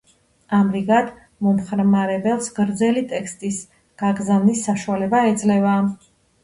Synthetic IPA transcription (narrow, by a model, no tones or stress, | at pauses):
amɾiɡad̪ | mɔmχɾmaɾɛbɛlˠsɡɾd̪zɛlit̪ʼɛkst̪ʼis | ɡ̥aɡɾzavnisːaʃualɛbaɛd̪zʼlɛva